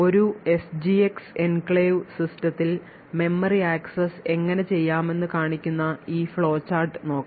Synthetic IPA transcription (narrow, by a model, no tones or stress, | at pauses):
o̞ɾue̞sd͡ʑiekse̞nkɭeːʋsistɐt̪ːil | me̞mːɐriaːksɐse̞ŋːɐne̞t͡ɕe̞jːaːme̞nːɨkaːɳikʲːunːɐiːfɭo̞ːt͡ɕːaːrʈɨno̞ːkː